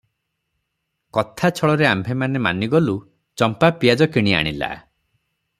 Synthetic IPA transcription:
kɔt̪ʰat͡ʃʰɔɭɔɾeambʱemanema̰niɡɔlu | t͡ʃɔmpapijad͡ʒɔkiɽ̃ia̰ɽ̃ila̰

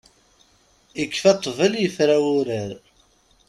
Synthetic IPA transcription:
ikːfɑt̪ˤːvəljəfɾawʊɾəɾ

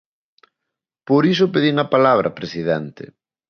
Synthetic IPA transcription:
poɾisopeðiŋɐpalaβ̞ɾʔɐ̰pɾesiðɛnt̪ḛ

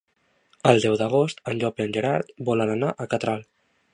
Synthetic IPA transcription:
əlˠd̪ɛwd̪əɣ̞ost̪ənʎɔpeənʲʒeɾaɾt̪bɔlənanaʔəkat̪ɾal

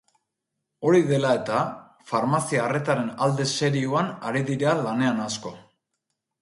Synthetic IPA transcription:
o̞ɾiðe̞lae̞t̪a | faɾmasiaːre̞t̪aɾe̞nald̪e̞se̞ɾiuanaɾiðiɾealane̞anasko̞

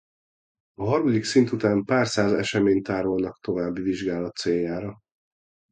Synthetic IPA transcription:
ɒɦɒrmɒd̪iksint̪ut̪aːmpaːrsaːzɛ̰ʃɛmeːɲt̪aːɾolnɒkt̪o̞vaːbːiviʒɡaːlɒt̪ːseːjːaːɾɒ

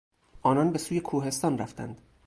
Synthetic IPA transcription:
ʔɒːnɒːnbe̞suːje̞kʰuːɦe̞st̪ɒːnræ̰ft̪æ̰nd̪

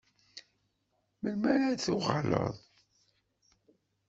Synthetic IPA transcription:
məlmæɾæθʊʁɑlə̰ðˤ

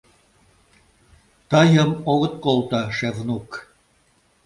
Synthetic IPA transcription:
t̪ɑjə̆moɣɤ̆t̪̚kolˠt̪ɑʃevnuk

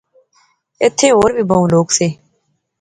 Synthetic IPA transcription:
ɪt̪ʰːeːɦoːɾbʱiːbəũːloːkseː

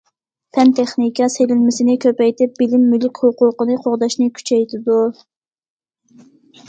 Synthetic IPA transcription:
pʰɛnt̪ʰeχnikʰʲɑselɪnmɪsɪnɪkʲʰøpɛjt̪ɪp̚b̥ɪlɪmːylykʲhoqʊqənɨqʰoʁd̪ɑʃnɨkʲʰy̥t͡ʃʰɛjt̪ʰɪd̪u

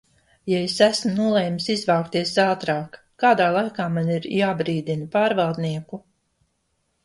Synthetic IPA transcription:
jaesæsmnuɔlˠɛjmsizvɑwkt̪iɛsaːt̪ɾaːkːaːd̪aːlˠajkaːmaniɾjaːbɾiːd̪inpaːɾvalˠd̪niɛku

